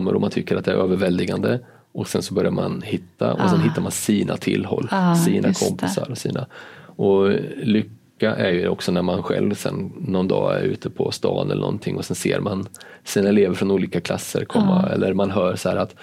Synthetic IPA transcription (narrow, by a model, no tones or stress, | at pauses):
mːəɾɔmant̪ʰʏkːəɾat̪̚d̪ɛæɾʔøːvəɾvɛld̪ɪɡand̪ə | ʔɔksɛnsɔbœɾjaɾmanhɪt̪ːaʔɔsɛnɦɪt̪ːaɾmansiːnʔat̪ʰɪlːɦɔlːsiːnʔakʰɔmpɪsaɾɔsḭːnaɔlʏkːaʔæɾjɵɔksɔnæɾmanɧɛlvsɛnːɔnd̪ɑːæɾʉ̟ːt̪ʰəpʰɔst̪ɑːnʔɛlə̰ɳnɔ̰nt̪ʰɪŋːɔsɛnseːɾmansiːnaɛleːvəɾfɾɔnuːliːkakʰlasːəɾkʰɔmːaɛlːʔəɾmanɦœːɾsahæːɾat̪